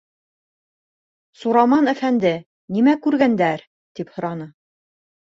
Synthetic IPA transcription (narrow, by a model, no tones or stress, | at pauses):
suɾɑmɑnæfænd̪ɘ | nimækʉɾɡænd̪æɾ | t̪iphŏɾɑnɤ